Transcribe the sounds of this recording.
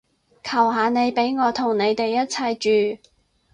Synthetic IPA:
kʰɐ˨˩wɦaː˨˧ne˨˧jpe˨˥jŋɔː˨˧t̪ʰʊ˨˩ŋne˨˧jt̪e˨jːɐ˥t̚t͡sʰɐ˧jt͡ʃyː˨

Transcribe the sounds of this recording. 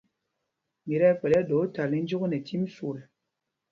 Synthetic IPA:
mi˨ɾɛ˦k͡pɛ˨lɛ˦do˨˦ta˨li˦n˦d͡ʒu˦ɣnɛ˨tʰi˦m˦su˨ɾɛ˨

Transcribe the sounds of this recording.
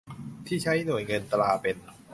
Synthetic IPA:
t̪ʰiː˥˩t͡ɕʰa˦˥jnu˨˩˦jŋɤ˧nt̪laː˧pe˧n

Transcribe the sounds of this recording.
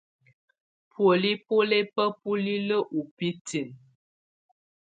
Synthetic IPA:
pʰwo˨li˦po˦le˦pə˦pu˦li˦lə˦ʔu˨pi˦ti˨n

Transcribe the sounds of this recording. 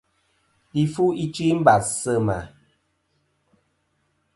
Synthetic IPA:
i˦fu˦i˦t͡ʃwi˦m̩˦ba˨sə˦ma̰˨

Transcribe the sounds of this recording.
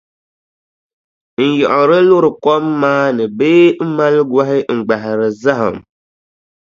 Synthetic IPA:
n̩˨jɔ˨ʔɔ˨ɾɨ˦lʊ˦ɾɨ˨kɔ˦mːaː˦nɨ˨beː˦m̩˦ma˦lɡwa˦ɦɪ˦ŋ͡m̩˨ɡ͡ba˨ɦɪ˨ɾɨ˨za˦ɦɨ˨m

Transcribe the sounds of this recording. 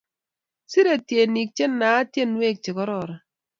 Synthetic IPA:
si˦ɾe˨tje˨ni˨k̚t͡ʃe˦nːa˨˦tje˦nwe˦˨k̚t͡ʃɪ˨kɔ˦ɾɔ˨ɾɔ˨

